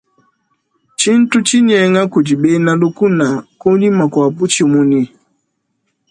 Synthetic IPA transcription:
t͡ʃi˦n̩˦tu˦t͡ʃi˦ɲɛ˨˦ŋa˦ku˨d͡ʒi˨ɓe˦na˦lu˦ku˦na˨ko˦ɲi˦ma˨kwa˨pu˦t͡ʃi˦˨mu˦ni˦

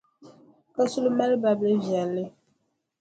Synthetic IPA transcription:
ka˦su˦lu˦ma˦lba˨blɨ˦vjɛ˨lːɪ˦

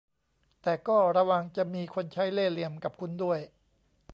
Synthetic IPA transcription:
t̪ɛː˨˩kɔː˥˩ɾa˧wa˧ŋt͡ɕa˨˩miː˧kʰo˧nt͡ɕʰa˦˥jleː˥˩li˧əmka˨˩p̚kʰu˧ndu˥˩əj

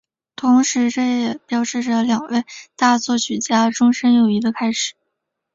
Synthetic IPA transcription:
t̪ʰʊ˧˥ŋʂɻ̩˧˥ʈ͡ʂɤ˥˩jɛ˨˩pjɑ˥ʊʂɻ̩˥˧ʈ͡ʂə˥˩ljɑ˨˩ŋwe˥˩ɪt̪a˥˧t͡swɔ˥˩ɕy˨˩t͡ɕja˥ʈ͡ʂʊ˥ŋʂə˥njo˨˩ʊi˧˥ɡə˧kʰa˥ɪʂɻ̩˨˩˦

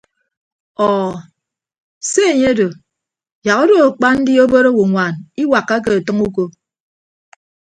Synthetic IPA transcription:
ɔː˨ | se˦e˨ɲe˦do˨ | ja˨ɣo˦do˦˨a˨k͡pa˦n̩˦di˦o˦bo˦ɾo˦wo˨ŋʷa˨ni˦wa˨kːa˦k̬e˨a˨tɨ˦ŋu˦ko˦

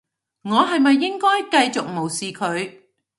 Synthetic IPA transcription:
ŋɔː˨˧ɦɐ˨jmɐ˨jːɪ˥ŋkɔː˥jkɐ˧jt͡sʊ˨k̚mo˨˩wsiː˨kʰɵ˨˧ɥ

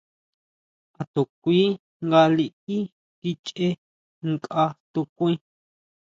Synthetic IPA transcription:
a˨t̪u˨kʷiː˦ | ŋɡa˧li˧i˦ | ki˧t͡ʃe˦ | ŋkʼa˧t̪u˧kʷĩ˦

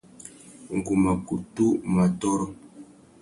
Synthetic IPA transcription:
ŋ̩˨ku˨ma˨ku˨tu˦ma˨tɔ˦ɾɔ˦

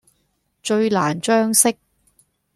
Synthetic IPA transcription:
t͡ʃɵ˧ɥlaː˨˩nt͡ʃœː˥ŋsɪ˥k̚

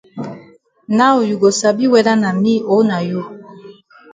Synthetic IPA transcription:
na˦o˨ju˨ɡo˨sa˨bi˦wɛ˨da˦na˨mi˦o˨˦na˨ju˦˨

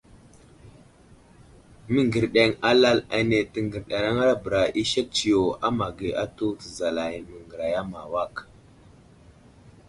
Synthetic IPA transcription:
mi˦ŋɡə˨ɾɗe˨ŋa˦la˦la̰˨ne˨ti˦ŋɡi˨ɾɗa˨ɾa˦ŋa˦ɾa˦bə˨ɾa˨ʔi˦ʃe˦k̚t͡ʃi˨jo˨a˦ma˨ɡe˨a˦tu˦tə˨za˨la˨jmə˨ŋɡə˨ɾa˨ja˦ma˨wa˦˨k

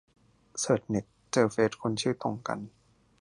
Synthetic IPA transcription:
sɤː˨˩t̪̚ne˨˩k̚t͡ɕɤː˧feː˦˥t̪̚kʰo˧nt͡ɕʰɯː˥˩t̪o˧ŋka̰˧n

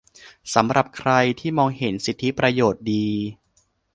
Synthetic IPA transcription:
sa˩˦mɾʔa˨˩p̚kʰɾa˧jt̪ʰiː˥˩mɔː˧ŋhe˩˦nsi˨˩t̪ʰːi˦˥pɾa˧joː˨˩t̪̚diː˧

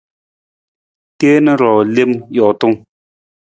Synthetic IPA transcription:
te˦nə˦ɾɔː˨le˦mjɔ˨tu˦ŋ

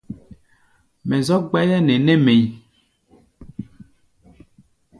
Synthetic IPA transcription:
mɛ˨zɔ˦ɡ͡bɛ˦lɛ˦ne˨nɛ˦me˨j

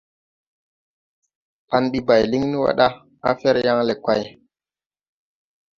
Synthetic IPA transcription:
pa˨nɓi˦ba˨jli˦ŋni˦wa̰˦ɗa˦ | a̰˦fe˦ɾja˦ŋle˨ka˨j

